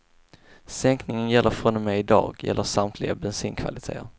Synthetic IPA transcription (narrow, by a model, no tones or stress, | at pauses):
sɛŋknɪŋənjɛlːʔəɾfɾɔnɔmɛɪd̪ɑ̰ːɡjɛ̰lːəsamt̪ʰlɪɡabɛnsyːnkʰva̰lɪt̪ʰḛːə̰ɾ